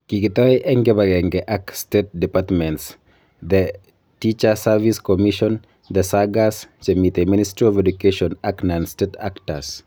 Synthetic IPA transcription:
kikit̪ɔiʔɛŋɡɛbaɡɛŋɡɛʔakstet̚dipatmɛ̃nts | d̪ɛ | tit͡ʃasaviskɔmiʃɔn | d̪əsaɡast͡ʃɛmit̪eministɾiɔvɛdukeʃɔnaknãnsteta̰kta̰s

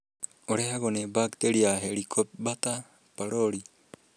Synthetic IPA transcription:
oɾehaɡonebakt̪eɾiaɦeɾikʰop̚bat̪a | paɾoɾi

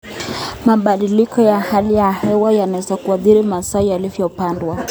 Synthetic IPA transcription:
maɓaɗilikɔjahalijahɛwajanawɛzakuaθiɾimasaijalivjɔpandwa

